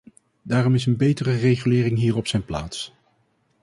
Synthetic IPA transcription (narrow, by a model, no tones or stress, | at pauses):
daːrɔmɪsənbejtərərejχylɪːrɪŋɦiːrɔpsɛjnpla̰ːts